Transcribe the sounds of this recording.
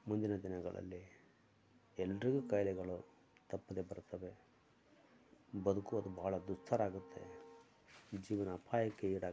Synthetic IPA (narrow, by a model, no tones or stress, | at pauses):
mund̪inɐd̪inɐɡɐ̰ɭɐ̰lːi | ɛlːɐɾiɡukɐjlɛɡɐɭu | t̪ɐpːɐd̪ebɐɾut̪ːɐʋe̞ | bɐd̪ukuɐd̪ubɐɦːɭɐd̪ust̪ʰːɐɾaːɡut̪ʰːe̞̰ | d͡ʒiːʋɐnɐːpʰaːjɐkːeiːɽaː